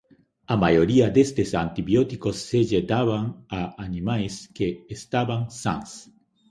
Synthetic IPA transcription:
amajoɾiad̪est̪esa̰nt̪iβjot̪ikosːeʒet̪aβaŋaanĩmajskeːst̪aβaŋsã̰ŋs

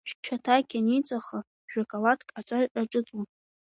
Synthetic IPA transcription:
ʃt͡ʃʰatʰaɡʲanit͡sʼaχa | ʒᶣakʼalatʰkʼat͡sʷʼaʒʔʼaʈ͡ʂʼɨt͡sʼun

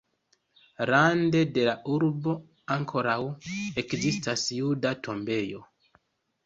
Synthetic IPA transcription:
ɾande̞de̞laʔuɾbo̞ | aŋkʰo̞ɾawe̞kzistasjudatʰo̞mbe̞jo

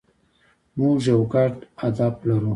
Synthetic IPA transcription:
mũʒawɡaʈad̪ablaɾu

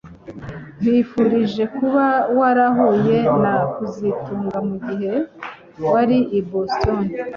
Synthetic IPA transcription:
n̥ifuɾiʒe̞kuβawaɾaɦoje̞nakuzituːŋɡamuɡiɦe̞ | waɾiiboston

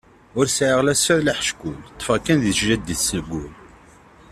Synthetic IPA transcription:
ʊɾsʕəʁlæsæðlaħʃkʊlt̪ˤːfækːænðiʃʒæd̪iθsəlɡʷʊl

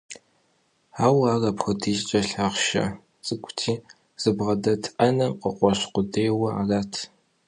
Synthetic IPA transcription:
aːwaːrɐpxətʰiːʃt͡ʃʼɐɬaʁʃɐ̰ | t͡sʼɨkʷʰʼtʰiː | z̥ɨbʁɐdɐtʰʔɐnɐqʼəqʷʼɔɕqʷʊdeːwɐa̰raːtʰ

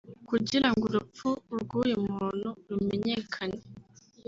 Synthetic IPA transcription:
kuɟiɾaŋɡuɾup͡fuɾɡuːjemmuːn̥̤uɾumeɲe̞kʰane

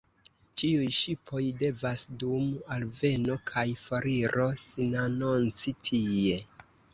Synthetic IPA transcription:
t͡ʃiujʃipʰo̞jde̞vasdumalve̞no̞kʰajfoɾiɾʔo̞sinanont͡sitʰie̞

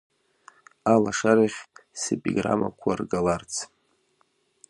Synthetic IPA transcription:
alaʂaɾiχʲsepʼiɡra̰ma̰kʷʰarɡalart͡sʰ

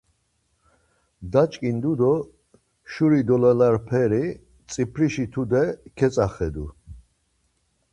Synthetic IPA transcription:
d̪at͡ʃʼkʼind̪ud̪ɔ | ʃuɾid̪ɔlalaɾpʰɛɾi | t͡sʼipʰɾiʃit̪ʰud̪ɛkʰɛt͡sʼaχɛd̪u

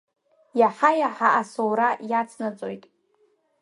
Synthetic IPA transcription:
jaħajaħaʔasowɾajat͡sʰnat͡sʼojtʼ

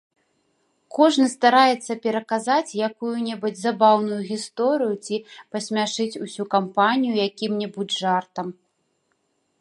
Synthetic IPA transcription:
kɔʐnɨst̪aɾajɛt̪sːɐpʲɛɾɐkazat͡sʲjakujunʲɛbɨd͡zʲzabawnujuɣʲist̪ɔɾɨjut͡sʲipɐsʲmʲaʂɨt͡sʲusʲukampanʲijujakʲimnʲɛbud͡zʲʐart̪ɐm

